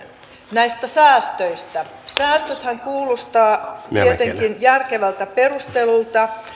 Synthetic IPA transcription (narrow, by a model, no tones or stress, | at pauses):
næist̪æsæːst̪øist̪æ | sæːst̪øt̪hæŋkuːlost̪ɑːt̪iet̪eŋkinjærkeʋælt̪æperust̪elult̪ɑ